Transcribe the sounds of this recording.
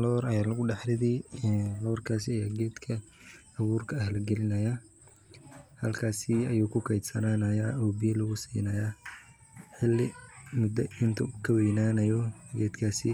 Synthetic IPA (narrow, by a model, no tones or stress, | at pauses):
lɔːɾɐjaːlɐɣʊɖɑħɾɪðiːʁɑrkʰaːsɪɐjaːɡɛːd̪kʰɐ | ɐβuːrkʰɐːhlɐɡɛlɪnɐja | hɐlkʰaːsɪɐjuːkʰʊkʰɛjd̪sɐnaːnɐjaːʔɔːbijɛlɐɣʊsḭːnɐja | ħɪlːɪmʊd̪ɐɪnt̪ʰʊkʰɐwɛjnaːnɐjɔɡɛːd̪kʰaːsɪ